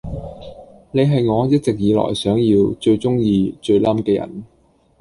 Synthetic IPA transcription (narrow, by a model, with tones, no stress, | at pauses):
ne˨˧ɦɐ˨jŋɔː˨˧jɐ˥t̚t͡sɪ˨k̚jiː˨˧lɔ̰ː˨˩jsœː˨˥ŋjiː˧wt͡ʃɵ˧ɥt͡ʃʊ˥ŋjiː˧t͡ʃɵ˧ɥlɐ˥mkɛː˧jɐ̰˨˩n